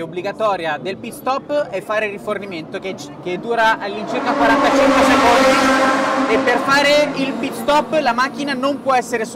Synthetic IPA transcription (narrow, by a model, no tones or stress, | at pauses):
obliɡat̪ɔːɾjad̪elpit̪st̪ɔpːɛfːaːɾeriforniment̪okeked̪ːuːɾaʔalːint͡ʃirkakːwaɾant̪at͡ʃiŋk̪wesekond̪i | epːerfaːɾeilpit̪st̪ɔpːlamak̟ːinanompwɔɛsːeɾes